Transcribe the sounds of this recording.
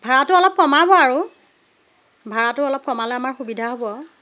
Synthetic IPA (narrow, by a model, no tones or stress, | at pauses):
bʱaɹatʊɔlɔp̚kɔmabɔaɹu | bʱaɹatʊɔlɔp̚kɔmalɛamaɹxubidʱaɦobɔ